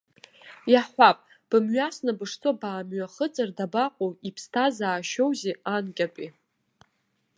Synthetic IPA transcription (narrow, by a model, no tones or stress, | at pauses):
jaħʷapʼ | b̥ɨmɥasnabɨʂt͡sʼobaːmɥaχət͡sʼardabaqʷʼowipʰstʰazaːʃowzeankʲʼapʼi